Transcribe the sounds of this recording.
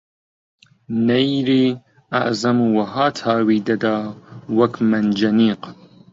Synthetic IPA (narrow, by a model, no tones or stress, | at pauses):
nejɾiː | a̰ʔzɐmuwɐɦaːt̪ʰaːwiːd̪ɐd̪aːwɐkmɐnd͡ʒɐniːq